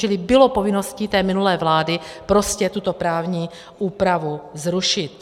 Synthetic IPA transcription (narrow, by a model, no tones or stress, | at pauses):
ɛlɪbɪlopo̞vɪno̞sciːt̪ɛːmɪnulɛːvlaːdɪpɾo̞scɛt̪ut̪opɾaːvɲiː | ʔuːpɾavuzɾuʃɪt̪